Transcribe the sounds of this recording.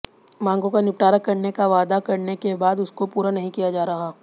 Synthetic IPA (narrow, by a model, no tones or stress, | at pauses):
mãːŋɡõkanɪpʈaːɾəkɐɾnekaʋaːd̪akɐɾnekebaːd̪ʊskopuːɾanɐɦĩkijad͡ʒaːɾɐɦaː